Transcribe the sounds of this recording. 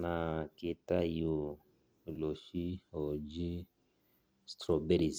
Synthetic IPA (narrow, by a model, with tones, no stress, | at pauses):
na˨ki˧ta˦ju˨ | lo˨ʃi˦o˨d͡ʒi˦ | st̪ɾɔ˨be˦ɾi˨z